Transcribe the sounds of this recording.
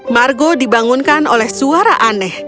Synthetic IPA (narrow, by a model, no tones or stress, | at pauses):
marɡɔdibaŋunkanolɛhsuaɾaʔanɛh